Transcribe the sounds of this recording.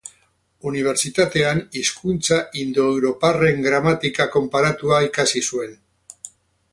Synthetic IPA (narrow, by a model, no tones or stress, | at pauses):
uniβ̞e̞ɾsit̪at̪e̞aniskunt͡saʔind̪oewɾopare̞ŋɡɾamat̪ikako̞mpaɾat̪uaikasisue̞n